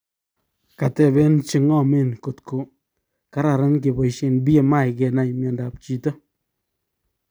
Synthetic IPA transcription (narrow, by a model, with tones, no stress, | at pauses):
ka˨te˨be˦n˦t͡ʃi˦ŋɔ˦˨me˦˨nko˨tko˨ | ka˦ɾa˨ɾa˦nk̬e˨bɔ˨jʃe˨nbi˦e˨ma˦˨jke˨na˨jmja˨nda˨p̚t͡ʃi˨to˦